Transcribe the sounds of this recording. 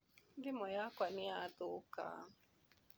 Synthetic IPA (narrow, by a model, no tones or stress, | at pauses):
dɪmɔjakwanɪat̪ʊka̰